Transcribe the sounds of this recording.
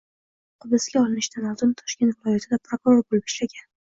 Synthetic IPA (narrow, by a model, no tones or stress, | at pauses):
qʰʊb̪ɪsɡʲaɒlˠɪnɪʃd̪ʰanɒt̪ʊnt̪ʰɒ̥ʃkʲe̞nt̪vɪlˠɒjat̪ʰɪd̪apʰɾokʊɾo̞ɾbolɪpiʃlaɡʲan